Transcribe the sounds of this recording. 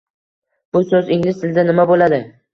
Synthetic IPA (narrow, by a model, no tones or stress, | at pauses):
b̥ʊsɵzɪŋlɪst̪ʰɪld̪anɪmabolad̪ɪ